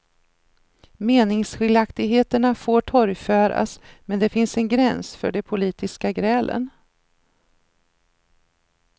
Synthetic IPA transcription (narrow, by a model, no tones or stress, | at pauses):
meːnɪŋsɧɪld̪akt̪ɪɡɦeːt̪əɳafoːʈʰɔɾjfœːɾa̰smɛnd̪ɛfɪnsɛnɡɾɛnsfœ̰ɖɛpʰʊliːt̪ɪskaɡɾɛːlʔə̰n